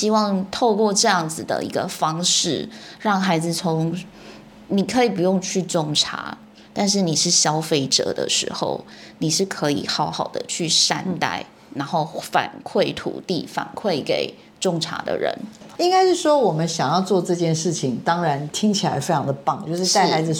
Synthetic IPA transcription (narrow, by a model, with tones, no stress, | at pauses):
ɕi˥wɑ˥˧ŋt̪ʰo˥˧ʊkwɔ˥˧ʈ͡ʂɤ˥˧jɑ˥˩ŋd͡zɹ̩˨˩d̪ə̰˩ḭ˧˥ɡə˧fɑ˥ŋʂɻ̩˥˩ɻɑ˥˩ŋxa˧˥ɪd͡zɹ̩˨t͡sʰo˧˥ŋ | ni˨˩kʰɤ˧˥i˨˩pu˧˥jo˥˧ŋt͡ɕʰy˥˧ʈ͡ʂʊ˥˧˩ŋʈ͡ʂʰa̰˧˥ | t̪a˥˧nʂ̬ɻ̩˥˩ni˨˩ʂɻ̩˥˩ɕjɑ˥ʊfe˥˩ɪʈ͡ʂɤ̰˨˩˦d̪ə̰˧ʂɻ̩̰˧˥xo̰˥˧ʊni˨˩ʂɻ̩˥˩kʰɤ˧˦˥ḭ˨˩xɑ˧˥ʊxɑ˨˩ʊd̪ə̰˦t͡ɕʰy˥˩ʂa̰˥nt̪a̰˥˩ɪ | na˧˥nxo˥˩ʊfa̰˨˩nkʰwe˥˩ɪt̪ʰṵ˨˩t̪i˥˩fa̰˨˩nkʰwe˥˩ɪke˨˩ɪ | ʈ͡ʂʊ˥˧ŋʈ͡ʂʰa̰˧˥d̪ə̰˧ɻə̰˧˦ni˥ŋka˥ɪʂɻ̩˥˩ʂwɔ˥wɔ˨˩mə˦nɕjɑ˨˩ŋjɑ˥˧ʊt͡swɔ˥˧ʈ͡ʂɤ˥˧t͡ɕjɛ˥˧nʂɻ̩˥˩t͡ɕʰi˨˩ŋt̪ɑ˥ŋɻa˧˥nt̪ʰi˥ŋt͡ɕʰi˨la˧˥ɪfe˥ɪʈ͡ʂʰɑ˧ŋd̪ə˨˧pɑ˥˩ŋt͡ɕjo˥˧ʊʂɻ̩˥˧a˥˩ɪ˥˩xa˧˥ɪd͡z̩˨